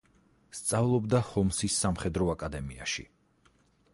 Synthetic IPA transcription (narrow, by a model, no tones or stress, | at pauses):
st̪sʼavlˠɔbd̪ahɔmsisːamχɛd̪ɾɔakʼad̪ɛmia̰ʃḭ